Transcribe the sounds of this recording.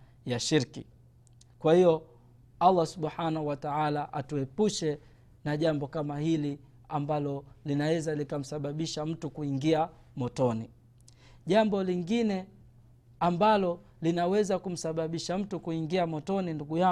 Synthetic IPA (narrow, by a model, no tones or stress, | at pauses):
jaʃiɾkḭ | kwahijɔ | alːasuɓħanahuwataʕalaʔatuɛpuʃɛ | naʄambɔkamahili | ambalɔlinawɛzalikam̩saɓaɓiʃam̩tukuiŋɡia | mɔtɔni | ʄambɔliŋɡinɛ | ambalɔ | linawɛzakum̩saɓaɓiʃam̩tukuiŋɡiamɔtɔninduɡuja